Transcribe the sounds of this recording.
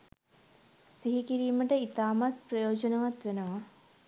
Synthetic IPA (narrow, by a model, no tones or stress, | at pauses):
siɦikiɾiːməʈəit̪aːmat̪̚prɐjoːd͡ʒənɐʋat̪ʋenəʋa